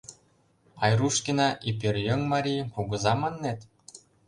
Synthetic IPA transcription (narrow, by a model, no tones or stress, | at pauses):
ɑjruʃkʲinɑʔipirjoŋmɑɾʲijpuɣɤ̆zɑmɤ̆nːet̪